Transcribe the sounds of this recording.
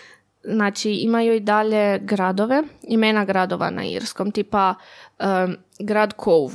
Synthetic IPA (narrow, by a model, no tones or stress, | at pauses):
znaːt͡ʃiimajuid̪aʎe̞ɡɾad̪o̞ʋe̞imeːnaɡɾad̪oʋa̰na̰ḭɾskomt̪ipaə | ɡɾaːd̪kʰouʋ